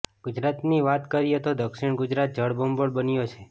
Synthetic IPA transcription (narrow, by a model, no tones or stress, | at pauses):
ɡ̥ʊd͡ʒɾat̪niʋat̪kəɾijet̪od̪əkʃiɳ̃ɡʊd͡ʒɾat̪̚d͡ʒəɽbəmboɽbənijot͡ʃʰe